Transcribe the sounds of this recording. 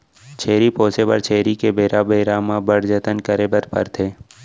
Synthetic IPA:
t͡ʃʰeːɾipoːsepɐ̰ɾt͡ʃʰeːɾikebeːɾabeːɾaːmãbəɽd͡ʒət̪ənkəɾebəɾpə̰ɾt̪ʰeː

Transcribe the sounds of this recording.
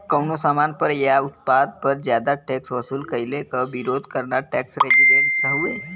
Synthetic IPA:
kəwnosaːmaːnpəɾjaʊt̪̚paːd̪̚pəɾd͡ʒjaːd̪aʈɛːksʋɐsuːlkəilekəʋiɾoːd̪ʱkəɾnaʈɛːksɾed͡ʒiɖẽːɳʈsəɦue

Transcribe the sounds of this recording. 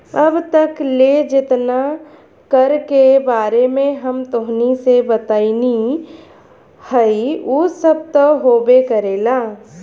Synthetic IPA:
əbt̪əkled͡ʒɪt̪na | kəɾkebaːɾemẽɦəmt̪ʊɦnisebət̪aːini | həiusəb̚t̪oɦoːbekəɾeːlaː

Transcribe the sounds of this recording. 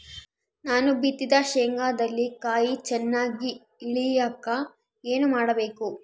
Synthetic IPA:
naːnubit̪ːid̪ɐʃeːŋɡaːd̪ɐlːikaːjit͡ʃɛnːaːɡi | iɭijaːkːɐ | eːnumaːɽɐbeːku

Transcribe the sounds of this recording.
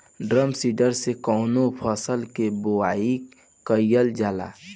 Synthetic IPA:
ɖɾəmsiːɖəɾsekɔːnopʰəsəlkeboaːi | kəjjəld͡ʒaːla̰ː

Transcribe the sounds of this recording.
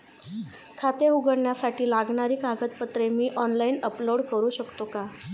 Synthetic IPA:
kʰat̪eɦuɡəɽɳjasaʈʰiːlaɡɳaɾiːkaɡət̪̚pət̪ɾemiːʔɔnlaiːnəploɽkəɾuːɕəkt̪oka

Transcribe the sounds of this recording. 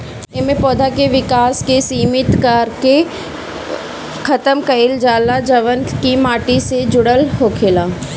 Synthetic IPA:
emẽpɔːd̪ʱakeʋɪkaːskesiːmɪt̪kaːɾke | kʰɐt̪əmkəɪld͡ʒaːlad͡ʒɐʋənkimaːʈised͡ʒʊɽəlɦoːkʰeːlaː

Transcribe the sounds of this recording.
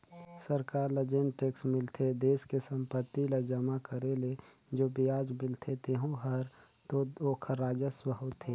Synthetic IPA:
səɾkaːɾləd͡ʒenʈeːksmɪlt̪ʰed̪eːskesə̃mpət̪ːiləd͡ʒəmakəɾeled͡ʒoːbijaːd͡ʒmɪlt̪ʰet̪eɦõɦəɾ | t̪ooːkʰɾaːd͡ʒəswəɦut̪ʰeː

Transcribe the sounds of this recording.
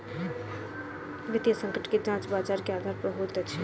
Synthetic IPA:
ʋɪd̪jəsə̃ŋkəʈked͡ʒãːt͡ʃbaːd͡ʒaːɾkeaːd̪ʱaːɾpɾəɦuːt̪ɐt͡ʃʰi

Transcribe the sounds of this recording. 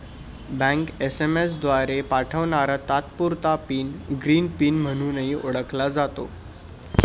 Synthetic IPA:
bə̃ŋkesemes̬d̪ʋaɾepaʈʰəʋɳaɾat̪at̪puɾt̪apiːnɡɾiːnpiːnm̤əɽ̃uːnəɦiːʔoɽəklad͡zat̪o̰

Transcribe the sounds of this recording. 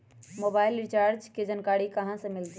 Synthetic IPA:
mobaːɪlɾit͡ʃaɾd͡ʒked͡ʒənkaɽikəɦãsə̃mɪlt̪

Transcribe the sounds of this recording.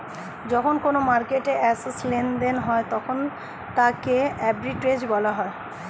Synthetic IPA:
d͡ʑɔkʰonkonomaɾkeʈeʔɛseslend̪enɦɔet̪ɔkʰon | t̪akeɛbɾiʈɾed͡ʑbɔlaɦɔe

